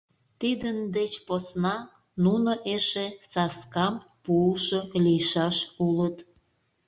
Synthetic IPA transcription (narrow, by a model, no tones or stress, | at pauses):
t̪id̪ənd̪et͡ɕposnɑ | nunoʔeʃesɑskɑm | puːʃolijʃɑʃulət̪